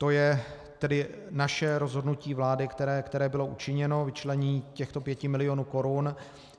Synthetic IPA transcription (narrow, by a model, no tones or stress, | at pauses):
t̪o̞jɛ | t̪ɛdɪ | naʃɛɾo̞zɦo̞dnuciːvlaːdɪkt̪ɛɾɛːkt̪ɛɾɛːbɪlo̞ʔut͡ʃɪɲɛno̞vɪt͡ʃlɛɲiːcɛxt̪o̞pjɛcɪmɪlɪjonuːko̞ɾun